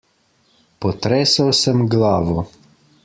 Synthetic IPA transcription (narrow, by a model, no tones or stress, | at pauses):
pɔt̪ɾɛːsawsəmɡlaːʋɔ